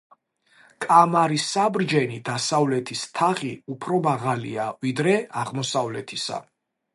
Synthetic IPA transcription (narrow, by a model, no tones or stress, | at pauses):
kʼamaɾisabɾd͡ʒɛnid̪asavlɛt̪ʰist̪ʰaχiupʰɾɔmaʁalḭavid̪ɾɛaʁmɔsavlɛt̪ʰi̥sa̰